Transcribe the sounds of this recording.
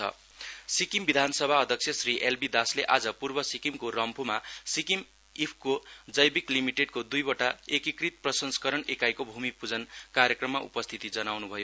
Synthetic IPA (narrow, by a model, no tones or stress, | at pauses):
ʌ̰ | sikimbid̪ʱansʌbʱaʌd̪ʱʌkt͡sʰjʌsriʔelbid̪asleʔad͡zʌpurbʌsikimkorʌmpʰomasikim | ipʰkod͡zʌjbiklimiʈeɖkod̪ujbʌʈaekikrit̪̚prʌsʌnskʌɾʌnekajkobʱumipud͡zʌnkarjʌkrʌmːaʔṵpʌst̪ʰit̪id͡zʌnawnubʱʌjo